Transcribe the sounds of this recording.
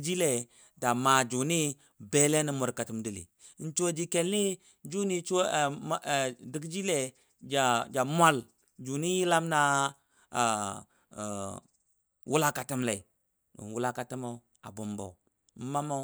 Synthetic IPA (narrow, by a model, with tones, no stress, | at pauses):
d͡ʒi˦le˨ | da˨ma˨d͡ʒu˨ni˦ | be˦le˦ni˦mu˨ɾka˨tu˨mdi˨lḭ˨˦ | n̩˦t͡ʃo˦d͡ʒi˦ke˨lni˦ | d͡ʒu˦ni˦t͡ʃo˦˨˦ | di˨˦kd͡ʒi˦le˦ | d͡ʒa˨d͡ʒa˨mʷ˦a˦˨l | d͡ʒu˨ni˦ji˦la˦mna˦˨ | wu˦la˦ka˨tu˦mla˨i˨ | ɡ̰nwu˦la˦ka˨ti˦ma˨u˦ | a̰˨bu˨mbo̰˨ | m̩˦ma˦ma˦